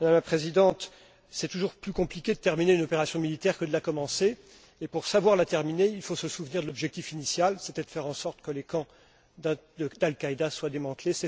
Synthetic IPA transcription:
mad̪amlapχezid̪ɑ̃t̪ | sɛt̪uʒuʁplykɔ̃plikʲed̪ət̪ɛʁmineynɔpeʁasjɔ̃milit̪ɛʁkəd̪əlakɔmɑ̃seː | puʁsavwaʁlat̪ɛʁmineilfosəsuvniʁd̪əlɔbʒɛk̚t̪ifinisjalset̪ɛd̪əfɛʁɑ̃sɔʁt̪kəlekɑ̃ | d̪alkaid̪aswad̪emɑ̃t̪lesɛ

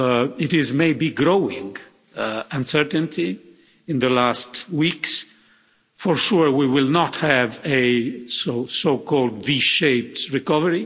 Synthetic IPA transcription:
ɪtɪzmeɪbiɡɹoʊɪ̃ŋɡ | ãnsɛɹtə̃ntʰi | ɪ̃nðəlastwiks | fɔɹʃuɹwiwɪlˠnɔthævɨsosoʊkɔlˠdviʃeɪp̚tɹikʌvəɹi

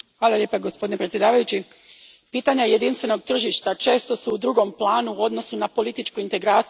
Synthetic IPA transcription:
xʋaːlˠalʲjeːpaɡospo̞d̪inepɾet̪sje̞d̪aːʋajut͡ɕi | piːt̪aɲaje̞d̪inst̪ʋe̞no̞ɡ̚t̪r̩ʒiʃt̪at͡ʃe̞ːst̪o̞suːd̪ɾuɡo̞mplˠaːnuo̞d̪no̞sunapo̞lit̪it͡ʃkuint̪e̞ɡɾaːt̪

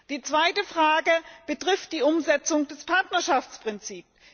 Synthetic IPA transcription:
d̥iːt͡sv̥aɪtəfʁ̥aːɡəb̥ətʁ̥ɪft̚d̥iːʔʊmzɛt͡sʊŋd̥ɛspʰaɐtnɐʃaft͡spʁ̥ɪnt͡siːps

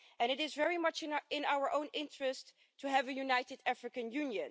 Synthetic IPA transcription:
ɨ̃ñɨɾɪzvɛɹimʌt͡ʃɪ̃naʊə˞ʔõʊ̃nɪ̃ntɹ̥ɨstʰː | uɦævɨjunaɪtɨdæfɹɨkɨ̃njʉ̃njɨ̃n

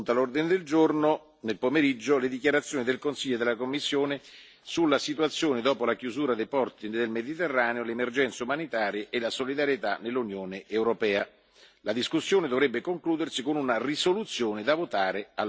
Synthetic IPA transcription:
nt̪alord̪ined̪eld͡ʒorno | nelpomeɾid͡ʒːoled̪ik̬jaɾat̪sːjoːnid̪elkonsiʎːod̪elakomːisːjoːne | sulːasit̪uat̪sːjoːnɪd̪ɔːpolakjuzuːɾad̪ejpɔrt̪ind̪elmed̪it̪erːaːneolemerd͡ʒɛnt̪saumanit̪aːɾjeʔelasolid̪aɾjet̪anelːunjoːneʔewɾopɛːa | lad̪iskusːjoːned̪ovɾɛbːekoŋkluːd̪ersikonunarisolut̪sːjoːnɪd̪avot̪aːɾea

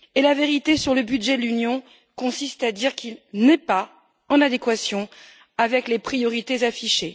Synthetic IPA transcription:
elaveʁit̪esyʁləbyd̪ʒɛd̪lynjɔ̃ | kɔ̃sist̪ad̪iʁkilnɛpa | ɑ̃nad̪ekwasjɔ̃ | avɛklepχijɔʁit̪ezafiʃe

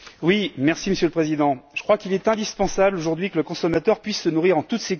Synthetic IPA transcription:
wimɛʁsiməsjøləpχezid̪ɑ̃ʒ̥ə̥kχwakilɛt̪ɛ̃d̪ispɑ̃sabloʒuʁd̪ɥikələkɔ̃sɔmat̪œʁpɥisːənuʁiʁɑ̃t̪ut̪se

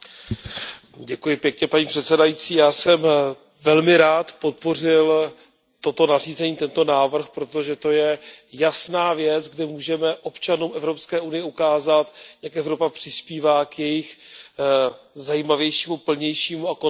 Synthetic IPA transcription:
ɟɛkujɪpjɛkɲɛpaɲiːpr̝̥ɛt̪sɛdajit͡siːjaːsɛm | vɛlmɪɾaːt̪po̞t̪̚po̞r̝ɪl | t̪o̞t̪o̞nariːzɛɲiːt̪ɛnt̪o̞naːvr̩xpɾo̞t̪o̞ʒɛt̪o̞jɛjasnaːvjɛt͡sɡdɪmuːʒɛmɛʔo̞pt͡ʃanuːmʔɛvɾo̞pskɛːʔunɪjɛukaːzat̪jakʔɛvɾo̞papr̥ɪspiːvaːkjɛjɪx | zajiːmavjɛjʃiːmupl̩ɲɛjʃiːmuako

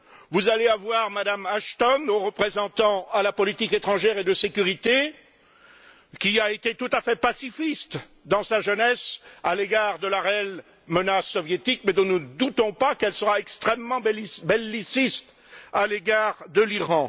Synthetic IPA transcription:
vuzaleavwaʁmad̪amaʃt̪ɔnoʁəpχezɑ̃t̪ɑ̃alapɔlit̪iket̪χɑ̃ʒɛʁed̪əsekʲyʁit̪e | kʲiaet̪et̪ut̪afɛpasifist̪ | d̪ɑ̃saʒənɛsaleɡaʁd̪əlaʁeɛl | mənasːɔvjet̪ikmɛd̪ɔ̃nəd̪ut̪ɔ̃pakɛlsəʁaɛkst̪χɛmːɑ̃bbɛlːisist̪ | aleɡaʁd̪əliʁɑ̃

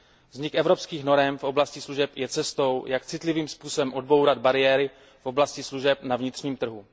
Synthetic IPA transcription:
vzɲɪkʔɛvɾopskiːxno̞ɾɛmfʔo̞blascɪsluʒɛpjɛt͡sɛst̪o̞wjakt͡sɪt̪lɪviːmspuːsobɛmʔo̞d̚bo̞wɾad̪baɾɪjɛːɾɪ | fʔo̞blascɪsluʒɛp̚navɲɪt̪r̝̥ɲiːmt̪r̩ɦu

